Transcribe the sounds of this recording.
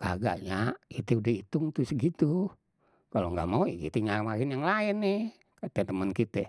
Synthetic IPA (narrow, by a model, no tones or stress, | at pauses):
kaɡa̰ʔɲait̪ɛudahit̪ʊŋt̪usɡit̪u | kaloŋɡa̰ʔmauḭkḭt̪uɲarmaɾɪnjaŋlaɪnːɪh | kat̪ɛt̪əmənkit̪ɛ